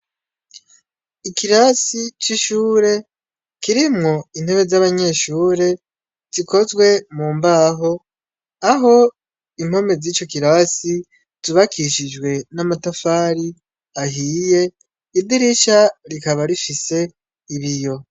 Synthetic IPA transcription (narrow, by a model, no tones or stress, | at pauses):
ikʰiɾasit͡ʃiʃuːɾe̞ | kiɾimŋo̞in̥he̞βe̞zaβaɲe̞ʃuːɾe̞ | z̥iko̞zɡwe̞muːmbaɦo̞ | aɦo̞ | im̥ho̞me̞ziːt͡ʃo̞kiɾasi | zuβakʰiʃid͡ʒɡwe̞namatafaɾi | aɦiːje̞ | idiɾiʃaɾikaβaɾifise̞ | iβijo̞